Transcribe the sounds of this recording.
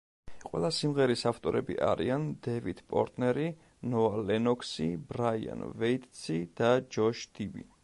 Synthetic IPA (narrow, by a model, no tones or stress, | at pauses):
qʼwɛlˠasimʁɛɾisaft̪ʼɔɾɛ̰bḭʔaɾiand̪ɛvit̪ʰpʼɔ̰ɾt̪ʼnɛɾi | nɔalɛnɔkʰsibɾaia̰nvɛit̪ʼsid̪̥ad͡ʒɔʃd̪̥ibḭ